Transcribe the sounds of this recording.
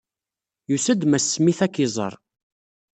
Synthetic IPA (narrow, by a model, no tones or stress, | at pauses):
jusæd̪mæsːmiθækːɪzˤə̰ɾˤ